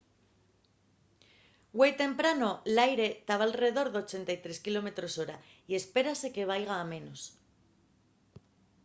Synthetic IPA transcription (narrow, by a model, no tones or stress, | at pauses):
ɡwe̞jt̪e̞mpɾano̞lajɾe̞t̪aβalre̞ð̞o̞ɾðeo̞t͡ʃe̞nt̪ajt̪ɾe̞skilo̞me̞t̪ɾo̞so̞ɾa | ie̞spe̞ɾase̞ke̞β̞ajɣ̞aːmẽ̞no̞s